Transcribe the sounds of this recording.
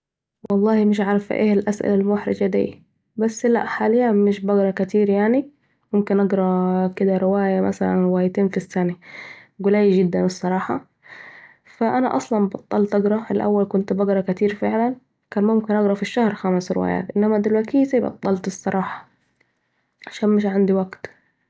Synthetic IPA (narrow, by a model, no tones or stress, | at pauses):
wɑlˤːɑːhimɪʃ̬ʕɑɾˤɑfʔḛːhalʔasʔɪ̰lalmʊħɾɪ̰d͡ʒad̪ḭː | basːla̰ʔħaːlɪjːamɪʃbɑɡɾˤɑkat̪iːɾjaʕni | mʊmkɪnʔɑɡɾˤɑkɪd̪aɾɪwaːjamʔa̰sala̰nwaːjt̪eːnfisːanaɡʊlaːjd͡ʒɪd̪ːanɨsˤːɑɾˤɑːħɑ | faʔana̰ʔɑsˤlɑnbɑt̪ˤːɑlt̪ʔɑɡɾˤɑɪlʔa̰wːalkʊnt̪bɑɡɾˤɑkat̪iːɾfɪʕlan | kaːnmʊmkɪnʔɑɡɾˤɑfiʃːahɾˤxamɪsɾɪ̰wa̰ːja̰ːt̪ʔɪnːamad̪ilwakiːlsibɑ̰t̪ˤːɑlt̪ɨsˤːɑɾˤɑːħɑ̥ | ʕaʃaːnmɪʃ̬ʕand̪iwaɡt̪